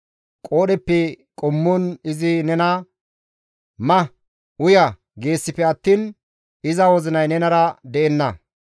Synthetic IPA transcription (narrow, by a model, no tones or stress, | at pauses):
kʼo̞ːɗɛpːɛ | kʼʊmːɔnɪzɪnɛnɐ | mɐ | ʊjɐ | ɡe̞ːsːɪpːɛɐt̪ːiːn | ɪzɐwɔzɪnɐjnɛnɐɾɐd̪ɛɛnːɐ